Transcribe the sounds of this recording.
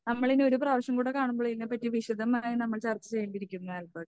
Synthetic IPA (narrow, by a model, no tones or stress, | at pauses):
nɐmːɐɭino̞ɾupraːʋɐɕɐmkuːɽekaːɳumboɭiinːepːɐtːiʋiɕɐd̪ɐmaːjinɐmːɐɭt͡ɕert̪ːɨt͡ɕejːɐmbiɾikʲːunːɐɐlbɐː